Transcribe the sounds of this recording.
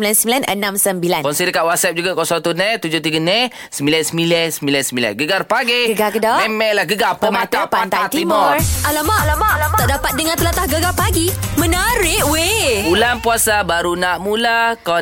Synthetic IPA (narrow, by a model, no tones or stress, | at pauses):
mbilansəmbilanə̰namsəmbilankɔnsidəkaʔwat̪̚sɛp̚d͡ʒuɡakɔsat̪unɛt̪ud͡ʒot̪iɡənɛ | səmbilansəmilɛsəmbilansəmbila̰nɡəɡarpaɡeɡəɡakədɔɛmɛʔlahɡəɡapəmat̪apaat̪at̪imɔalamalt̪ɔʔdapat̪̚dəŋãnt̪əlat̪ahɡəɡapaɡimənəɾɪʔweulanpuasabaɾunaʔmulakɔ